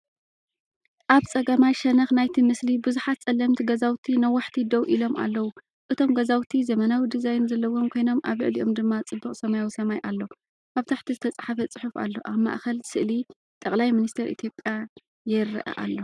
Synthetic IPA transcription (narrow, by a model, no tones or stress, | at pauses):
ʔaβt͡sʼɐɡɐmajʃɐnɐxnajt̪ʰimɨslibɨzuħat̪̚t͡sʼɐlːɐmt̪ʰiɡɐzawt̪ʰinɐwːaħt̪ʰid̪ɐwʔilo̞mʔa̰lːɐwu | ʔɨt̪ʰo̞mɡɐzawt̪ʰizɐmɐnawid̪ɨzajnuzɐlːɐwo̞mkʰo̞jno̞mʔa̰βɨ̰ʕliʔo̞md̪ɨmːat͡sʼɨbːɨχʼsɐmajawisɐmajʔalːo̞ | ʔaβt̪ʰaħt̪ʰizɨt̪ʰɐt͡sʼħafɐt͡sʼɨħufa̰lːo̞ʔaβma̰ʔkɐlsɨʔli | t̪ʼɐkʼlajmɨnist̪ʰeɾʔḭt̪ʰjo̞pʼːja | jɪɾːɐʔɐ̰ʔa̰lːo̞